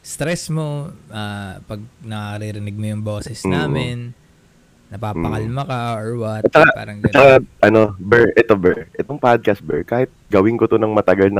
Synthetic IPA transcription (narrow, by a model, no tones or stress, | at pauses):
st̪ɾɛsmo̞aːpɐɡ̚nɐkakɐɾiɾɪnɪɡ̚mojʊŋbo̞ːsɛsnaːmɪnː | ɐpaːɐ̰kɐlmɐkɐʔoɹwɐt̪ɐt̪̚t͡ʃːɐkapa̰ːɾɐŋt͡ʃɐkaʔɐno̞bɛɹʔɛt̪o̞bɛɹʔɛt̪o̞ŋpad̪̚kɐst̪̚bɛɹkaːhɪt̪̚ɡɐwɪŋkot̪onɐŋmɐt̪ɐɡɐlnɐ